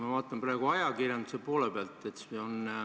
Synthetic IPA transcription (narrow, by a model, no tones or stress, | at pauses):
mɑvɑːt̪ˑːɑmprɑːɡ̥uɑjɑkirjɑnd̪use̞poːlepeɑlt̪ːˑe̞t̪seonː